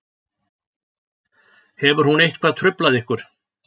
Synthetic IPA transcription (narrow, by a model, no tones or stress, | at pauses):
hɛvʏɾ̥hunejht̪kʰvaːðt̪ʰɾʏplaðɪhkʏɾ̥